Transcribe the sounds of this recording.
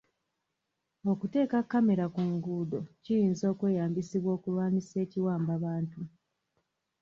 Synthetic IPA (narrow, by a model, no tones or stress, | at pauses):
o̞kute̞ːkakːame̞ɾakuŋɡudo̞cijiːnzo̞ːkwe̞ːjaːmbisiβwo̞ːkulwaːnise̞ːciwaːmbaβaːntu